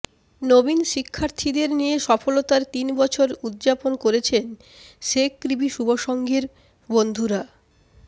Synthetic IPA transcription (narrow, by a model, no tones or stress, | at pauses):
nobinʃikʰːaɾt̪ʰid̪eɾnieʃɔfolot̪aɾt̪inbɔt͡ɕʰoɾud̪d͡ʑaponkoɾet͡ɕʰen | ʃekkɾibiʃuboʃoŋɡiɾ | bond̪ʱuɾa